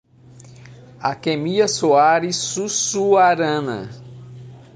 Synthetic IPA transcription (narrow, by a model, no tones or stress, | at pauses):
a̰kemiɐsoaɾisusuaɾɐ̃nɐ̰